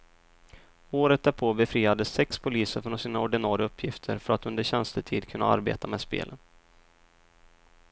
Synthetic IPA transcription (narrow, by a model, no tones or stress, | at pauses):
oːɾət̪̚d̪æɾpʰoːbɛfɾiːad̪əsɛkspʰʊliːsəɾfɾɔnsiːnaɔɖɪnɑːɾɪaɵpʰːjɪft̪ʰəɾfœɾat̪ɵnd̪əɕɛnst̪ət̪ʰiːd̪kʰɵnːa̰a̰ɾbḛːt̪ʰamɛːd̪spḛːlʔən